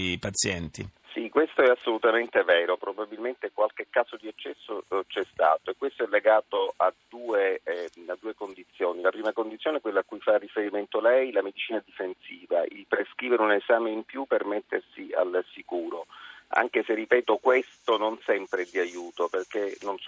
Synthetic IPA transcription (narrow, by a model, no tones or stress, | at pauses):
pat̪sjɛnt̪ḭsikwest̪oɛasːolut̪ament̪evɛːɾopɾobabilment̪ekwalkekːaːzod̪iet͡ʃːɛsːot͡ʃɛst̪a̰ːt̪oekːwest̪oɛlːeɡaːt̪oʔad̪uːead̪ːuːekond̪it̪sːjoːnilapɾiːmakond̪it̪sjoneɛkwelːakːujfarːifeɾiment̪oalɛjlamed̪it͡ʃiːnad̪ifensiːvaḭlpɾeskɾiːveɾeunezaːmeimpjupːermet̪ːersia̰lsikuːɾoa̰ŋk̟eserːipɛːt̪okwest̪ononsɛmpɾed̪iajuːt̪operk̟enons